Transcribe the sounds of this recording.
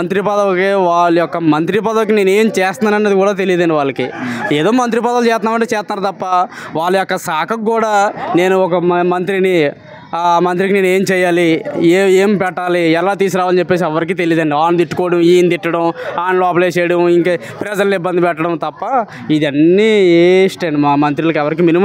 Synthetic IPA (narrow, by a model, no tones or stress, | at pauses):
ɐnt̪̬ɾipɐd̪ɐʋɐkiʋaːɭːujɔkːɐmɐnt̪ɾipɐd̪ɐʋɐk̬ineːneːmt͡ʃɛːst̪aːnɐnːeːd̪ikuːɽaːt̪̬e̞lijːd̪ɐnɖiʋaːɭːɐkḭeːd̪o̞ːmɐnt̪ɾipɐd̪ɐʋɐlt͡ʃɛːst̪naːʋɐɳʈeːt͡ʃɛːst̪ɐnaːɾut̪ɐpːɐʋaːɭːujɔkːɐsaːkʰɐkuːɽaːneːnuɔkɐmɐnt̪ɾini | mɐnt̪̬ɾikine̞ːne̞ːmt͡ʃɛːjaːlieːmpɛʈːaːliɛlaːt̪iːs̬ɾaːʋaːɐnt͡ʃepːe̞ːs̬iɛʋɐɾik̬iːt̪̬e̞lijːd̪ɐɳɖiaːnt̪iʈːu̥koːɽɐmiːnt̪iʈːɐɽɐmaːnlɔːpleːt͡ʃɛːjɽɐmiŋkɐ | pɾɐd͡ʒɐlibːɐnd̪ipɛʈːɐɽɐmt̪ɐpːɐ | id̪ɐnːieʂʈeːɳɖimaːmɐnt̪ɾilɐk̬ɛʋɐɾik̬iːminim